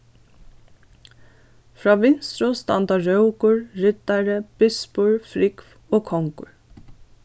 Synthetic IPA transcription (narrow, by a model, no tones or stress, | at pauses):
fɹɑːʋɪnst̪ɹʊst̪ɑ̰nd̪ɑɹœʉkʊɹɹʏt̪æɹəb̥ɪspʊɹfɾɪkf | oːkʰɔŋkʊ̰ɹ